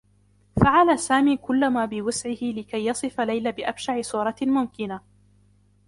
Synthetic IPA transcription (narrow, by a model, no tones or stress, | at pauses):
faʕalaːsaːmiːkʊlːamaːbɪwasʕɪhɪlɪkajːɑsˤɨfalajlabɪʔabʃaʕɪsˤuːɾˤɑmʊmkɪna